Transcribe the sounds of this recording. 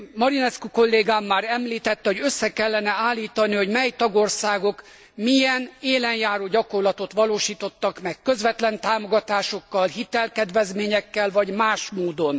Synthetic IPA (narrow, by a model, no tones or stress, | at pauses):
mɒɾinɛskuko̞lːeːɡaːmːaːɾɛmliːt̪ɛt̪ːɛhoɟøsːɛkɛlːɛnɛaːlːiːt̪ɒniho̞ɟmɛjt̪ɒɡo̞rsaːɡo̞k | mijɛneːlɛnjaːɾoːɟɒko̞rlɒt̪o̞t̪ʋɒloːʃiːt̪o̞t̪ːɒkmɛkːø̞zʋɛt̪lɛnt̪aːmo̞ɡɒt̪aːʃo̞kːɒlhit̪ɛlkɛd̪ʋɛzmeːɲɛkːɛlvɒɟmaːʃmoːd̪o̞n